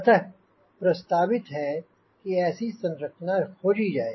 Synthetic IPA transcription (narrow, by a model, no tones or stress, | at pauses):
ɐt̪əɦ | pɾɐst̪aːbɪt̪ɦɛ | kiɛːsisɐ̃nɾəkt͡ʃnãkʰoːd͡ʒid͡ʒaːeː